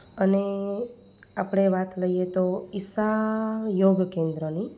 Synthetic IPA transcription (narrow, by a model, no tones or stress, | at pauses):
əne | apɽ̃eʋat̪ləijet̪oɪsajoɡkẽnd̪ɾɔni